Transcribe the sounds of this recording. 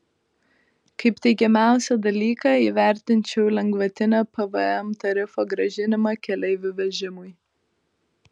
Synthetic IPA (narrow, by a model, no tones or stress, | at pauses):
kɐɪpt̪ʲɛɪkʲɛmʲæˑʊsʲɛd̪ɐlʲiːkɑiːʋʲæˑɾʲt̪ʲɪnʲt͡ʃʲɛʊlʲɛŋɡʋɐt̪ʲɪnʲoːpɛʋəɛmt̪ɐɾʲɪfoːɡɾɐʒʲɪnʲɪmɑkʲɛlʲɛɪʋʲʊʋʲɛʒʲɪmʊɪ